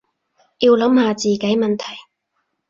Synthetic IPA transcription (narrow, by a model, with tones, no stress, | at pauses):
jiː˧wlɐ˨˥mhaː˨˧t͡siː˨˩ke˨˥jmɐ˨nt̪ʰɐ˨˩j